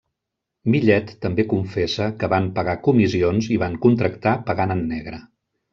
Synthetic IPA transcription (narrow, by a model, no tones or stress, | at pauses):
miʎɛt̪ːəmbekuɱfɛsəkəβampəɣakumizionziβaŋkunt̪ɾəkt̪apəɣanənːɛɣɾə